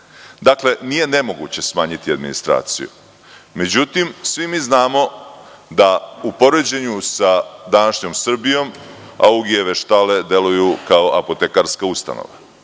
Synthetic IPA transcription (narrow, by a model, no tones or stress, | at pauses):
d̪akle̞nije̞ne̞mo̞ɡṵt͡ɕe̞smaːɲit̪iad̪minḭst̪ɾa̰ːt̪sḭjṵ | me̞d͡ʑut̪imsʋimiːznaːmo̞d̪aupo̞ɾe̞d͡ʑe̞ɲusad̪anaʃɲo̞msr̩bijo̞m | a̰uɡieʋe̞ʃt̪ale̞d̪e̞lujukao̞ʔapo̞t̪e̞kaɾskaust̪a̰no̰ʋa